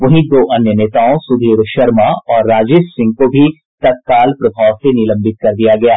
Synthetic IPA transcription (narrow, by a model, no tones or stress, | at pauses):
ʋɐɦĩd̪oːʔɐnjəneːt̪aːõsʊd̪ʱiːɾʃɐɾmaɔːɾːaːd͡ʒeːʃsɪ̃ŋɡ̚kobʱi | t̪ɐt̪̚kaːlpɾɐbʱaːʋsenɪlɐ̃mbɪt̪̚kɐɾd̪ijaɡɐjaː